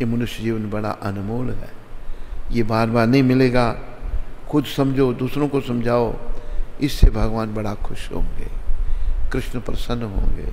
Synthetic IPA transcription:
jemɐnʊʃjəd͡ʒiːʋənbɐɽa̰ʔɐnʊmoːlɦɛ̰ː | jebaːɾbaːɾnɐɦĩmɪleːɡa | xʊd̪sɐ̃md͡ʒʱod̪uːsɾõkosɐmd͡ʒʱaːo | ɪsːebʱɐɡʋaːnbɐɽakʰʊʃɦõ̰ːŋɡḛː | kɾɪʃnpɾəsə̃nːɦõ̰ːŋɡḛː

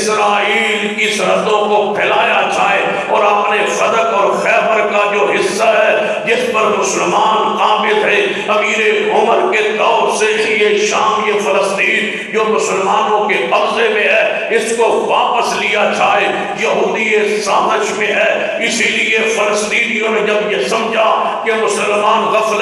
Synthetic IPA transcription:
sɾaːiːlkisɐɾə̃d̪õkopʰɛːlaːjat͡ʃaːe | ɔːɾɐpnefɐd̪əkɔːɾxɛːbəɾkad͡ʒoːɦɪsːaɦɛ | d͡ʒɪspɐɾmʊsəlmaːnkaːmɪlɦe | ɐmiːɾeʊməɾket̪ɔːɾsejeʃaːmjefɐɾəst̪iːn | d͡ʒoːmʊsəlmaːnõkeɐɾzemẽɦɛ | ɪskoʋaːpəslijat͡ʃʰaːɦe | jɐɦuːd̪iesaːnəd͡ʒmẽɦɛː | ɪsiliefɐɾəst̪iːnijõnẽd͡ʒɐbjesɐmd͡ʒʱa | kemʊsəlmaːnɣɐfl

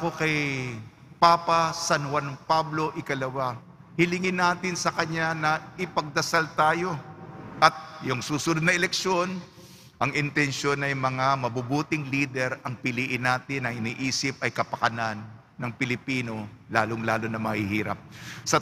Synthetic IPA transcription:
ko̞kɐj | paːpɐsanwanpablo̞ʔɪkɐlɐwa | hɪlɪŋɪnːaːt̪ɪnsɐkɐɲanɐʔɪpɐɡ̚d̪ɐsalt̪aːjo̞ʔɐt̪̚jʊŋsuːsʊnod̪nɐʔɛlɛkʃo̞n | ʔɐŋʔɪnt̪ɛnʃo̞nɐjmɐŋamɐbubuːt̪ɪŋliːd̪ɛɾʔɐŋpɪliːʔɪnːaːt̪ɪnɐŋɪniːʔiːsɪp̚ʔɐjkɐpɐkɐnanː | ɐŋpɪlɪpiːno̞laːloŋlaːlonɐmɐhɪhiːɾɐ̰p̚sɐ

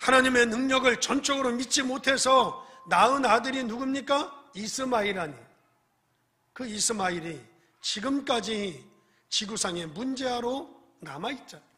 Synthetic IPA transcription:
hanaɲime̞nɯŋɲʌɡɯɭt͡ɕʌnt͡ɕ͈ʌɡɯɾomit͡ɕ͈imotʰe̞sʰʌnaɯnadɯɾinuɡɯmɲik͈ais͈ʰɯmaiɾaɲi | kɯis͈ʰɯmaiɾi | t͡ɕiɡɯmk͈ad͡ʑi | t͡ɕiɡusʰaŋe̞mund͡ʑe̞ɦaɾo | namait̚t͡ɕ͈a

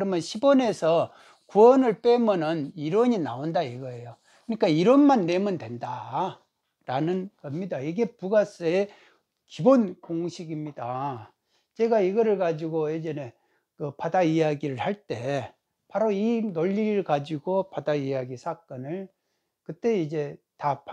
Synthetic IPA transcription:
kɾʌmjʌnɕʰibʌne̞sʰʌ | kuwʌnɯɭp͈e̞mʌnɯniɾwʌɲina̰ondaiɡʌe̞jo | kɯɲik͈aiɾʌnmanːe̞mɯndwe̞nda | ɾanɯnɡʌmɲidaiɡe̞puɡas͈ɯe | kibonkoŋɕʰiɡimɲida | t͡ɕe̞ɡaiɡʌɾɯɭkad͡ʑiɡoed͡ʑene̞ | kɯpadaijaɡiɾɯɭhaɭt͈e̞ | paɾoinoʎːiɾɭkad͡ʑiɡopadaijaɡisʰak͈ʌnɯɭ | kɯt͈e̞id͡ʑe̞tap

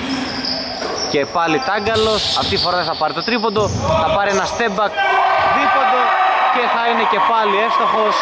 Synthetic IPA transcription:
ce̞pɐlit̪ɐɡɐlo̞sɐ̰ft̪it̪ifo̞ɾɐðeθɐpɐɾit̪o̞t̪ɾipo̞nd̪o̞θɐpɐɾie̞nɐst̪e̞bɐkðipo̞nd̪o̞ce̞θɐine̞ce̞pɐlie̞st̪o̞xo̞s

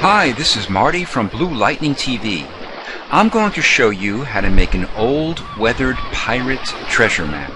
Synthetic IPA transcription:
haɪðɪsɨzmɑɹɾifɹʌ̃mblula̰ɪʔⁿnɪ̃ŋtʰivḭ | ʔãɪ̃mɡoʊɪ̃ŋtʰɨʃoʊjɨɦaʊɾɨmeɪkɨ̃noʊlˠd | wɛðə˞d̚pʰaɪɹɨtʰɹ̥ɛʒə˞mæ̰p̚

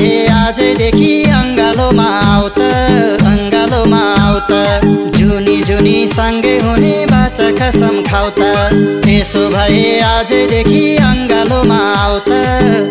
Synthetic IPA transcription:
ead͡ʒəjd̪ekʰiʌŋɡalomãawt̪ɐ | ʌŋɡalomaawt̪əd͡ʒunid͡ʒunisəŋɡəjɦunebʱat͡ʃəkəsəmkʰawt̪ət̪esobʱʌjead͡ʒəjd̪ekʰiʌŋɡalomãawt̪ɐ

